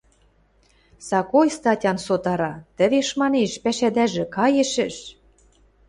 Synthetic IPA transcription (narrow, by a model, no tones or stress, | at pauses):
sɑkojst̪ɑtʲɑnsot̪ɑɾɑt̪ə̆βeʃmɑneʃpæʃæd̪æʒĕkɑjĕʃɘ̆ʃ